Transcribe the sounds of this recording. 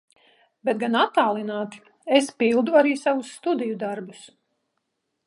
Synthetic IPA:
bet̪̚ɡanat̪ːaːlˠinaːt̪i̥ | espilˠd̪uaɾiːsavusːt̪ud̪ijud̪aɾbus

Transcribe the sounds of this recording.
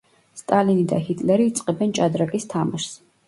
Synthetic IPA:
st̪ʼalinid̪a̰hit̪ʼlɛɾiːt̪sʼqʼɛbɛnt͡ʃʼad̪ɾakʼist̪ʰamaʃs

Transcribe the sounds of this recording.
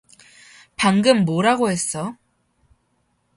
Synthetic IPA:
paŋɡɯmːoɾaɡoɦe̞s͈ʌ

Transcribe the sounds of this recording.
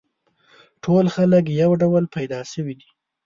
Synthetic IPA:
ʈʰolxalək̬jawɖawəlpajd̪ɑʃəwid̪i

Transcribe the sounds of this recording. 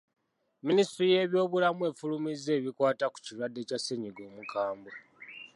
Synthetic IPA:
ministɾije̞ːβjo̞ːβulamue̞ːfulumize̞ːβikwaːtaku̥cilwadːe̞ːcase̞ɲiɡo̞ːmukʰaːmbo

